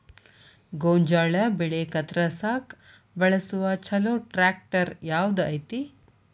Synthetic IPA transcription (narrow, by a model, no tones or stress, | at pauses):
ɡoːɲd͡ʒaːɭɐbiɭekɐt̪ɾɐsaːk | bɐɭɐsuʋat͡ʃʰɐloːʈɾaːk̚ʈɐɾjaːʋd̪ɐjt̪i